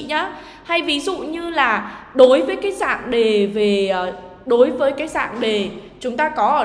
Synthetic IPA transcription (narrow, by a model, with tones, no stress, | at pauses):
ɲa˨˦ | ha˧jvi˨˦zṵ˧˨ɲɨ˧laː˨˩ɗo˨˦jvəː˨˦jkaː˨˦jza̰ː˧˨ŋɗe˨˩ve˨˩əː˨˩ | ɗo˨˦jvəː˨˦jkaː˨˦jza̰ː˧˨ŋɗe˨˩ | t͡ɕʊ˨˦ŋ͡mt̪aː˧kɔ˨˦ʔəː˧˩